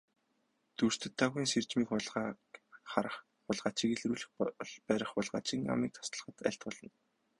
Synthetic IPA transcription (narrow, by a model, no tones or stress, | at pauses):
t̪ur̥t̪ʰɵ̆t̪ʰːaːɣiːnsert͡ɕmiːkχʊɮ | ɾχ | ʊɮʁaːt͡ɕiːkeɮruːɮɘ̆xɮpæːɾə̆χpʊɮʁa̰ːt͡ɕiːŋa̰miːk̚t̪ʰɔ̥st̪ə̆ɮ̆χə̆t̪æ̰ɬt̪̚pʊɮɞ̆n